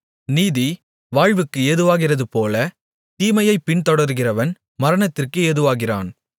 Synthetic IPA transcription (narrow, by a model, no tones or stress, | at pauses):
niːði | ʋaːɻʋɯkːɯeːðɯʋaːɣɪrɐðɯpoːlɐ | t̪iːmɐjɐɪpːɪnt̪ɔɽɐɾɣɪrɐʋɐn | mɐɾɐɳɐt̪ːɪrkɯeːðɯʋaːɣɪra̰ːn